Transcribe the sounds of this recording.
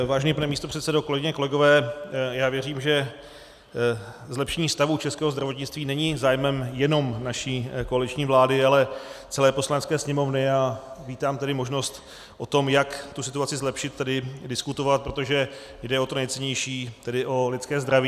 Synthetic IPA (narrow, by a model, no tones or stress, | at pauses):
vaːʒɛnɲiːpanɛmiːst̪o̞pr̝̥ɛt̪sɛdokolɛɡɪɲɛkolɛɡo̞vɛːjaːvjɛriːmʒɛ | zlɛpʃɛɲiːst̪avuːt͡ʃɛskɛːɦozd̪ɾavo̞t̪ɲɪt͡st̪viːnɛɲɪzaːjmɛmjɛno̞mnaʃiːko̞alɪt͡ʃɲiːvlaːdɪalɛt͡sɛlɛːpo̞slanɛt͡skɛːsɲɛmo̞vnɪjaːviːt̪aːmt̪ɛdɪmo̞ʒno̞st̪ | ʔo̞t̪o̞mjakt̪usɪt̪uat͡sɪzlɛpʃɪt̪̚ːɛdɪdɪskut̪o̞vat̪̚pɾo̞t̪o̞ʒɛ | jdɛo̞t̪onɛjt͡sɛɲɛjʃiːt̪ɛdɪʔo̞lɪt̪skɛːzd̪ɾaviː